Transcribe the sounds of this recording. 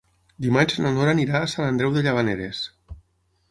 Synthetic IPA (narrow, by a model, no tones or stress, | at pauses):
d̪imanʲzenanoɾaːniɾaːsanand̪ɾɛwðeʎaβaneɾes